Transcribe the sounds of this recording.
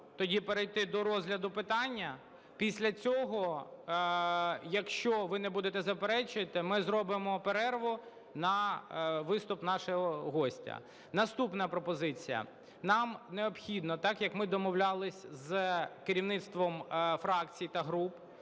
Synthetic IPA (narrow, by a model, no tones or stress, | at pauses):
t̪ɔdʲipeɾejt̪ɪd̪ɔɾɔzʲɦlʲɐd̪ʊpɪt̪ɑnʲːɐ | pʲisʲlʲɐt͡sʲɔɦɔ | jɐkʃt͡ʃɔʋɪnɛbud̪et̪ɛzɐpeɾɛt͡ʃɪt̪ɪmɪzɾɔbɪmɔpeɾɛrʋɔ | nɐ | ʋɪst̪ʊpnɑʃɔɦɔɦɔsʲtʲɐ̰ | nɐst̪upnɐpɾɔpɔzɪt͡sʲijɐ̰ | nɑmneɔpxʲid̪nɔt̪ɑkjɐkmɪd̪ɔmɔwlʲalˠɪsʲzkeɾʲiwnɪt̪st̪ʋɔmfɾɑkt͡sʲijt̪ɐɦɾup